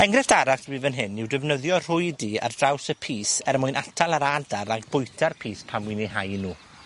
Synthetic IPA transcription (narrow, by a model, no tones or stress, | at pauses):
ɛŋɡɾɪfd̥aɾaswiːvənɦɪnːɪwdɪvnəðjɔr̥ʊjdiːa̰rd̥rawsəpʰiːsɛɾmʊjnʔatʰalˠaɾadaɾaɡbʊjtʰarpʰiːspʰamwineɦajnuː